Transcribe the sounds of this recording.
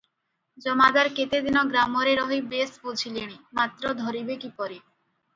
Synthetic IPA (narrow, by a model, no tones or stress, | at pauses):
d͡ʒɔmad̪aɾket̪ed̪inɔɡɾamoɾeɾɔɦibespud͡ʑʰʱileɽ̃imat̪ɾod̪ʱɔɾibekipɔɾi